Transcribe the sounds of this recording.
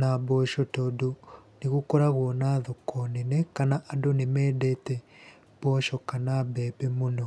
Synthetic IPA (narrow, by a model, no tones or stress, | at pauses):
nabɔʃɔtodoneɣukoɾaɣwɔnaðokʰɔnenɛkanaʔadonemɛːdɛtɛ | b̥ɔʃɔkanabɛːbɛmonɔ